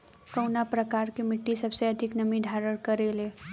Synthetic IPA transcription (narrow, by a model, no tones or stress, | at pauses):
kəwnapɾəkaɾkemɪʈːisəbseəd̪ʱiknəmid̪ʱaɾəɽkəɾele